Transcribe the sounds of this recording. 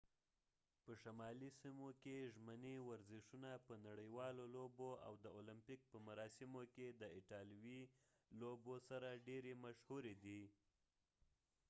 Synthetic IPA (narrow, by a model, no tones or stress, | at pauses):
pəʃamɑlisimokeʒməniwaɾzɪʃunapənaɽəjwɑloloboa̰wd̪əolɪmpik̚pəmaɾɑsɪmoked̪əɪʈɑlwi | lobosaɾaɖeɾemaʃhuɾed̪i